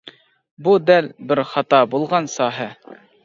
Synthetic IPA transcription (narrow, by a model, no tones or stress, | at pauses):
bud̪ælbɪɾχɑt̪ɑbulˠʁɑnsɑɦɘ